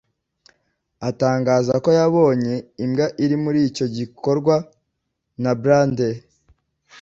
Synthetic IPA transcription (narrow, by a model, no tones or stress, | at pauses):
ataːŋɡaːzako̞jaβo̞ːɲe̞imɡaʔiɾimuɾiːco̞ɟikʰo̞ɾɡwa | nabɾande